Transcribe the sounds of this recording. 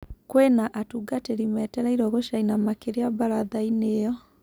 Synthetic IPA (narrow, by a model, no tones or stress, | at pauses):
kwɛnaʔatuɡateɾimɛtɛɾaiɾɔɣoʃainamakeɾeabaɾaðainejɔ